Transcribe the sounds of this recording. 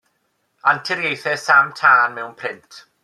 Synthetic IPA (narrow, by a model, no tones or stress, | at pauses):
antʰɪɾjejθɛsamtʰaːnmɛwnpʰrɪntʰ